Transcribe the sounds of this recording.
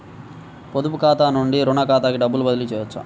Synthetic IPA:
pod̪upukaːt̪aːnuɳɖiɾuɳɐkaːt̪aːkiɖɐbːulubɐd̪ilut͡ʃɛːjɐt͡ʃːṵ

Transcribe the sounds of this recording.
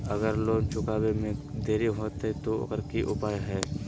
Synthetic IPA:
ɐɡəɾloːɡt͡ʃʊkaːbemẽd̪eːɾiɦoːt̪ɦɛt̪oɐ̰ɡəɾkiʔʊ̰paːjɦɛː

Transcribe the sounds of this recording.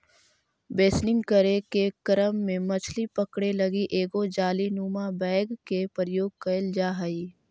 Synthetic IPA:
beːsnɪ̃ŋɡkəɾekekəɾəmːẽmɐt͡ʃʰlipəkɽelɐɡiʔeːɡod͡ʒaːlinuːmabɛːɡkepəɾəjoːɡ̚kɐɪld͡ʒaːɦəiː

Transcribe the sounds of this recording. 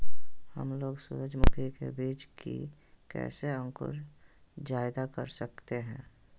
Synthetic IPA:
hə̰mloːɡsuɾəd͡ʒmʊkʰikḛbiːt͡ʃkḭ | kɛ̰ːseə̃ŋkʊ̰ɾ | d͡ʒaːɪd̪akə̰ɾsəkt̪eɦɛ̃ː

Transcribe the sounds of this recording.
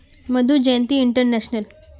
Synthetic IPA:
məd̪ʱũːd͡ʑəjnt̪iːiɳʈəɾnæɕnəl

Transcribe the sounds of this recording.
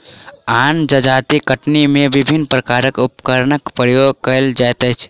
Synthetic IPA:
aːnd͡ʒəd͡ʒat̪ikəʈnimẽʋɪbʱinpɾəkaːɾəkupkəɾnəkpɾəjoɡ̚kəld͡ʒajt̪ət͡ʃʰ

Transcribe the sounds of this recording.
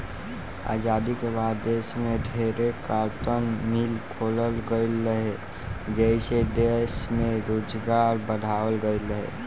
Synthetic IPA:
a̰ːd͡ʒaːd̪ikebaːd̪ːeːsmeɖʱeːɾekaɾt̪ənmilkʰoːləlɡəɪlːəɦe | d͡ʒəɪsed̪eʃmẽɾoːd͡ʒɡaːɾbəɽ̤ʱaːwəlɡəɪləɦḛ

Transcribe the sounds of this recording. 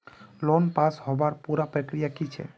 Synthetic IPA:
lɔnpashɔbaɾpuɾapɾɛkɾijakit͡ɕʰḛ

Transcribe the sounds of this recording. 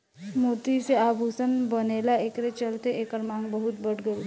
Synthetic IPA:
moːt̪iseaːbʱuːsənbəneːlaeːkɾet͡ʃəlt̪eʔeːkəɾmãːŋɡbəɦʊt̪̚bəɽɡəu

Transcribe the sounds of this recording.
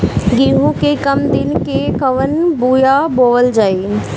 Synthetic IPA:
ɡiːɦũkekɐmd̪ɪnkekɐʋənbuːjaboːʋəld͡ʒaːeː

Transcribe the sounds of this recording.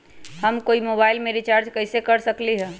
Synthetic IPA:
həmkoimobailmeɾit͡ʃaɾd͡ʒkəɪsekəɾsəkliɦɛ̃

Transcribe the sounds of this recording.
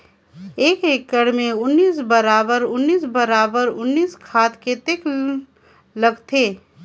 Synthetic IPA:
eːkeːkːəɽmẽʊnːiːs̬bəɾaːbəɾʊnːiːs̬bəɾaːbəɾʊnːiːskʰaːt̪ket̪eːk | ləɡt̪ʰeː

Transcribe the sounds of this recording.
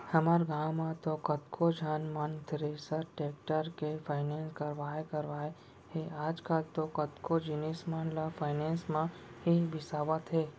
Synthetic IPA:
həmaɾɡãːwmãt̪okət̪kʰod͡ʒʱaːnmant̪ɾeːsəɾʈeːkʈəɾkefʰaːɪneːnskəɾʋaːekəɾʋaːe | ɦeaːd͡ʒkaːlt̪okət̪kod͡ʒɪneːsmanlafʰaːɪnẽːnsmãɦibɪsaːʋət̪ɦeː

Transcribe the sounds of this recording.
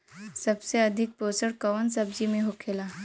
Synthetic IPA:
sɐbseɐd̪ʱik̚poːsəɽkəʋənsəb̚d͡ʒimẽɦokʰela

